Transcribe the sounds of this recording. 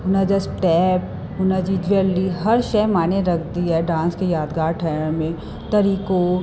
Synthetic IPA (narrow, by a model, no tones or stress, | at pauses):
ʊnad͡ʒɐsʈɛːp̚ | ʊnad͡ʒid͡ʒʋeɾliɦɐɾʃɛjmaːneɾɐkʰd̪iɦɛɖãːnskejaːd̪ɡaːɾʈʰaːjəɾmẽ | t̪ɐɾiːko